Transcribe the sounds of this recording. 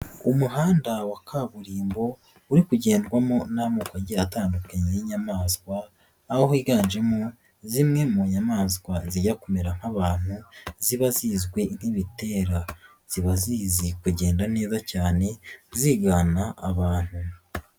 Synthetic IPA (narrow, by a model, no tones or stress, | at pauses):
umuɦaːndawakʰaβuɾiːmbo̞ | uɾikuɟe̞ːndɡwamonamukwaɟiataːndukaɲejeɲamaːzɡwaː | hohiɡaːɲd͡ʒemu | zimŋe̞muɲamaːzɡwaziɟakomeɾaŋ̥haβaːn̥huziβaziːzɡwe̞n̥iβite̞ːɾa | z̥iβaziːzikuɟe̞ːndane̞ːzacaːne̞ziːɡaːnaaβaːn̥hu